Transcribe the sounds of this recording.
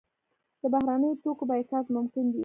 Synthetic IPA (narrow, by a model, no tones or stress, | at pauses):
d̪̥əbahɾanəjot̪okobɑjetɑzmʊmkɪnw̪i